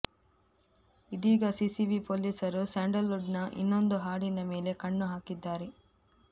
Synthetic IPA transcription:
id̪iːɡɐsisiʋipoːlisɐɾusaːɳɖɐlːuɖnɐʔḭnːond̪uɦaːɽinɐme̞ːle̞kɐɳːuɦaːkid̪ːaːɾe

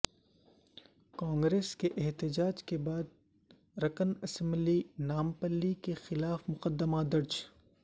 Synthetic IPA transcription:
kãːŋɡɾeːskeʔɛɦt̪ɪd͡ʒaːd͡ʒkebaːd̪̚ | ɾɐkənɐsə̃mblinaːmpəlːikexɪlaːfmʊqəd̪ːəmad̪ɐɾd͡ʒ

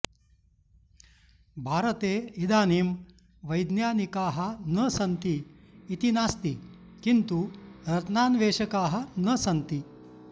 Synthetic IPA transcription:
bʱaːɾɐt̪eːid̪aːniːm | ʋɐjd̪njaːnikaːɦɐnɐsɐnt̪iː | t̪inaːst̪i | kint̪uɾɐt̪naːnʋeːʂɐkaːɦɐ̆nɐsɐnt̪i

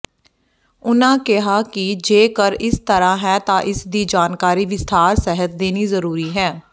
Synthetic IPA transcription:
ʊnãːkɪɦaːkɪd͡ʒeːkəɾɪst̪əɾãːɦɛːt̪ãːʔɪsd̪iːd͡ʒaːnkaːɾiːʋɪst̪ʰaːɾsɛɦət̪̚d̪eːniːzəɾuːɾiːɦɛː

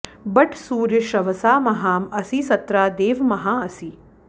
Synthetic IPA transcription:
bɐʈʰsuːɾjəʃɐʋɐsaːmɐɦaːmɐsisɐt̪ɾaːd̪eːʋmɐɦaːɐsi

